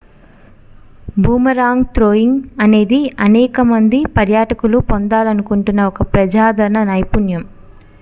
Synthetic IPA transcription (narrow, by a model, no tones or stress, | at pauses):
bʱuːmɐɾaːŋɡt̪ɾoːjiŋɡɐne̞ːd̪iɐnɛːkɐmɐnd̪ipɐɾjaːʈɐkulupond̪aːlɐnukuɳʈunːɐɔkɐpɾɐd͡ʒaːd̪ʱɐɾɐnɐnɐjpunjɐm